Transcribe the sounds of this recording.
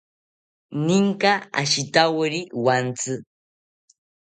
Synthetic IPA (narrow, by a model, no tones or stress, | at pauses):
niŋkaa̰ʃit̪awɾiwant͡sɨ